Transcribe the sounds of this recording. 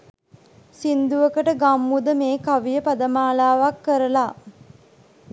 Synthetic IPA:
sind̪uʋəkəʈəɡamːud̪əmeːkaʋijəpad̪əmaːlaːʋakːəɾəla

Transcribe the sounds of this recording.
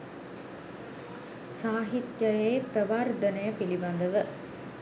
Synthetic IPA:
saːɦit̪jəjeːpɾəʋard̪ənəjəpiliband̪əʋə

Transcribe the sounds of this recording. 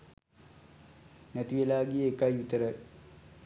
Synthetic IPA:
nɛt̪iʋelaːɡeːkajʋit̪əɾə

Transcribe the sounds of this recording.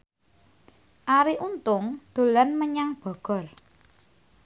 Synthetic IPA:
ʔaɾiʔunt̪ʊŋd̪̥o̤lanməɲaŋb̥ɔ̤ɡ̥ɔ̤r

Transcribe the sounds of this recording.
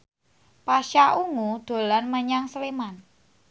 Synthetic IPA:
paʃaʔuŋud̪̥o̤lanməɲaŋsleman

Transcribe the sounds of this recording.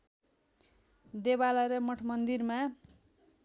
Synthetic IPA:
d̪ebalʌɾʌmʌʈʰʌmʌnd̪irma

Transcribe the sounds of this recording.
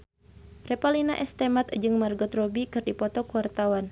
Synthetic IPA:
rɛpalinaʔɛst̪ɛmat̪d͡ʒɨŋmarɡɔt̪rɔbikɨrdipɔt̪ɔkuwart̪awan

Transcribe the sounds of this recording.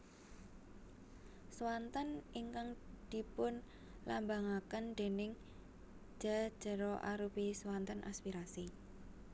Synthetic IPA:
swant̪əniŋkaŋd̪̥i̤pʊn | lambaŋakənɖ̪̥e̤nɪŋ̥ | d͡ʒ̥a̤d̥ʒ̥ə̤ɾɔʔaɾupiswant̪ənʔa̰spiɾasi

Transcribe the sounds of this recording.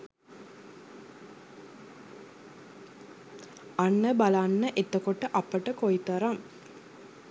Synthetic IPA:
anːəbalanːəʔet̪əkoʈəʔapəʈəkoit̪ɐɾaŋ

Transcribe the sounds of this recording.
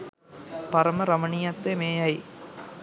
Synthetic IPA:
pɐɾɐmɐɾɐmɐɳɪjɐt̪ːemeːjɐɪ

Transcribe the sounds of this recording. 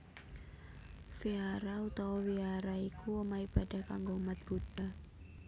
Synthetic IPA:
fiaɾaut̪awɔwiaɾaikʰuəmaib̥ad̥a̤hkaŋɡoumat̪̚b̥uɖ̥a

